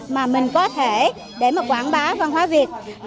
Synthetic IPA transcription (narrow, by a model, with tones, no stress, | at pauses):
maː˨˩mï˨˩ŋ̟kɔ˨˦t̪ʰe˧˩ | ɗe˧˩maː˨˩kwaː˧˩nɓaː˨˦vaː˨˩ŋɦwaː˨˦vi˨˩ət̚